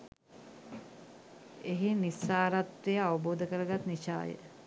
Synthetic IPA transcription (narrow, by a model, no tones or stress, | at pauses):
eɦinisːaːɾat̪ɾejəaʋəboːd̪əkəɾəɡat̪niʃa̰ːjə̰